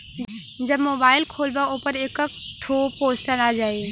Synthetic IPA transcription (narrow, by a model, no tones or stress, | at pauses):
d͡ʒɐbmoːbaːɪlkʰoːlbaoːpəɾeːkəkʈʰoːpoːsʈənaːd͡ʒaːe